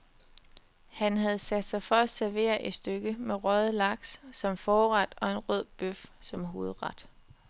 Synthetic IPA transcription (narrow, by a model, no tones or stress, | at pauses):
hænɦæð̞ˠsæd̥sɑ̈ɪfɒ̽æ̥sæɐʋe̝̰ːɐʔe̝d̥sd̥øɡ̥əmeʁœð̩ˠlɑ̈ɡ̥ssɒ̽mfɒːʁɑd̥ɒ̽e̝nʁœð̰ˠb̥øfsɒ̽mɦo̝ːð̩ˠʁɑd̥